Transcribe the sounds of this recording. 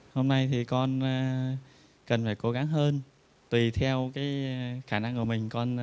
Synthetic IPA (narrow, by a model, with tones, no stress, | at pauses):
ho˧mna˧jt̪ʰi˨˩kɔ˧n˧ | kə˨˩nfaː˧˩jko˨˦ɣa˨˦ŋɦəː˧n | t̪wi˨˩t̪ʰɛ˧wkaː˨˦jxaː˧˩na˧ŋku˧˩əmï˨˩ŋ̟kɔ˧n